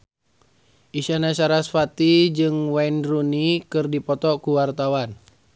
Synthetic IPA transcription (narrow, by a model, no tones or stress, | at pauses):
ʔiʃanasaɾasfat̪id͡ʒɨŋwainrunikɨrdipɔt̪ɔkuwart̪awan